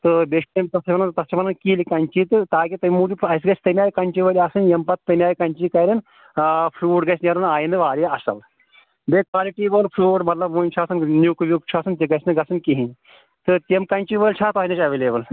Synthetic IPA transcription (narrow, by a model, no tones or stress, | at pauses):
t̪ɨbeʂemt̪ɐst͡ʃɐpɐnɐnt̪ɐsimɐnɐnkiːlikɐnʲt͡ʃiːt̪ɨt̪aːkit̪ɐmuːd͡ʒiɐsɡɐsʲt̪ɐmʲaːjkɐnʲt͡ʃiʋəlʲiɐsɨnjɐmpɐt̪̚ːɐmʲaːjkɐnʲt͡ʃiːkɐɾin | fʰɾuːʈɡɐsneɾɨnaːjinɨʋaːɾeɐsɐ̰l | bekʋaːliʈiːbəlfʰɾuːʈmɐt̪lɐbʋunʲt͡ʃʰaːsɨnnuːkʋjuk̚t͡ʃʰaːsɨnt̪iɡɐsnɨɡɐsɨnkiɦĩn | t̪ɨt̪ʲemkɐnt͡ʃiʋəlʲt͡ʃʰaːt̪asʲnɐt͡ʃʲɐʋeːlebəl